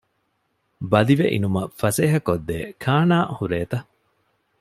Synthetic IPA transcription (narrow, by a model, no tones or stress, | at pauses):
bɐliʋeʔḭnumɐfɐseːɦɐkod̪ːḛːkʰaːnaːhuɾeːt̪ɐ